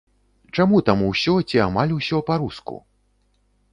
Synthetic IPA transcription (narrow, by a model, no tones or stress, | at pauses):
t͡ʂamut̪amuwsʲɔt͡sʲiamalʲusʲɔpaɾuskṵ